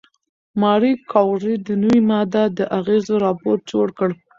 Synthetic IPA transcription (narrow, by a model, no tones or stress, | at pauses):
mɑɾikʰɑwʐid̪ənəwimɑd̪ad̪əʔaɣezoɾɑpoɾ̚d͡ʒoɽkəɽ